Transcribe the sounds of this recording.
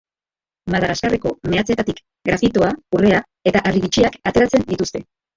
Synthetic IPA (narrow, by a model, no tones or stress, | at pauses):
maðaɣaskareko̞me̞at͡se̞t̪at̪ik | ɡɾafit̪oaure̞a | e̞t̪aʔaɾiɣit͡ʃiakat̪e̞ɾat͡se̞nd̪it̪ust̪e̞